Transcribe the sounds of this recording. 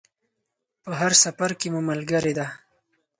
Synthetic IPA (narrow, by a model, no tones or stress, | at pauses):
pəɦaɾsafaɾkemumalɡəɾed̪a